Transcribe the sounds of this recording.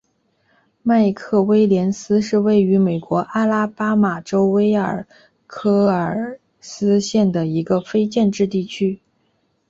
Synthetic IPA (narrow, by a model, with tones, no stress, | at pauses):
ma˥˧ɪkʰɤ˥˩we˥ɪljɛ˧˥nsɹ̩˥ʂɻ̩˥˧we˥˩ɪy˧˥me˨˩ɪkwɔ˧˥ʔa˥la˥pa˥ma˨˩ʈ͡ʂo˥ʊwe˥ɪə˞˨˩ | kʰɤ˥ə˞˨˩ | sɹ̩˥ɕjɛ˥˩nd̪ə˩i˧˥ɡə˧fe˥ɪt͡ɕjɛ˥˧nʈ͡ʂɻ̩˥˧t̪i˥˩t͡ɕʰy˥